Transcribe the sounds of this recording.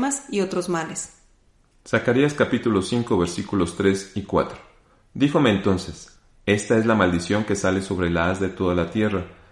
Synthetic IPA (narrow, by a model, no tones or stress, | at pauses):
masio̞t̪ɾo̞zmales | sakaɾiaskapit̪ulo̞siŋko̞βe̞ɾsikulo̞st̪ɾe̞sikwa̰t̪ɾo̥ | d̪ixo̞me̞ːnt̪o̞nses | e̞st̪ae̞zlamald̪isjo̞ŋke̞sale̞so̞β̞ɾelaazðe̞t̪o̞ðalat̪je̞ra